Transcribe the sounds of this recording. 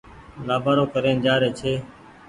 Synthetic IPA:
laːbaːɾoːkəɾeːnd͡ʒaːɾeːt͡ʃʰeː

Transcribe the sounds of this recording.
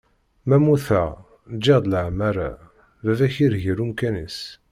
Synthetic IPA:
mæmuθæ | d͡ʒːeʁd̪ləʕmæɾa̰ | vævæçiɾʝiɾumkænis

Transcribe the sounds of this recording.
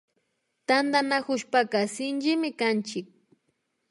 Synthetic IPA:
t̪and̪anakʊʃpakasɪnd͡ʒɪmɪkant͡ʃɪk̚

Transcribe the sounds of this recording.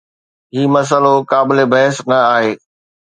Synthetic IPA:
ɦiːmɐs̬əlokaːbɪlebɐɦɪsnɐaːɦeː

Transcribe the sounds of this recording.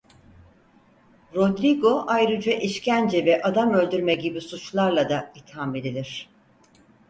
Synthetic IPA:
ɾo̞d̪ɾiɡo̞ʔajɾɯd͡ʒaʔiʃcænd͡ʒɛvɛʔad̪amø̞lʲd̪yɾmɛɟibisut͡ʃlˠaɾlˠad̪ait̪hamed̪ilʲiɾ̝̥

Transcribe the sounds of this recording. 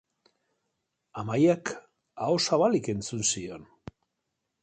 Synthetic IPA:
amajak | aosaβalike̞nt͡sunsio̞n

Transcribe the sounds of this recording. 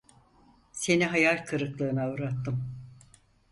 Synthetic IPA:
se̞niɦajalʲkʰɯɾɯklˠɯːnaɾat̪ːɯm

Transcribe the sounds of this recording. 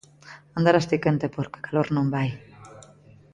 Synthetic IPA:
ãnd̪aɾast̪ikent̪epoɾke̥kaloɾnõmbaj

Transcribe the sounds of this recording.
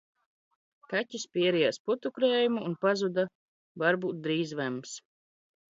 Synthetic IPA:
katʲispʲiɛɾijasput̪ukɾeːjumuːnpazud̪a | vaɾbuːt̪̚d̪ɾiːzvɛms

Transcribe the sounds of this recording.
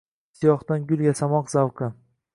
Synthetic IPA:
sijɒχt̪anɡʲʊlˠɡʲasamɒqz̥awqʰɨ

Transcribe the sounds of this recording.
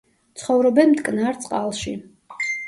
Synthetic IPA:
t̪sʰχɔvɾɔbɛnmt̪kʼnaɾt̪sʼqʼalˠʃi

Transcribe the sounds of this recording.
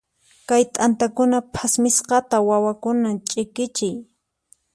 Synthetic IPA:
kajt̪ʼant̪akʊnapʰasmɪsqɑt̪awawakʊnat͡ʃʼɪkɪt͡ʃɪj

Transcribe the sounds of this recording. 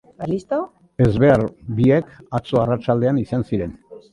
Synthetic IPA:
alist̪a | e̞zβe̞aɾbiekat͡so̞arat͡ʃald̪e̞anisansiɾe̞n

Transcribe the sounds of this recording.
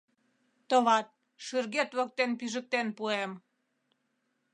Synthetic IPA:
t̪əβɑt̪̚ | ʃyrɣet̪βə̆k̚t̪enpyʒə̆k̚t̪enpuem

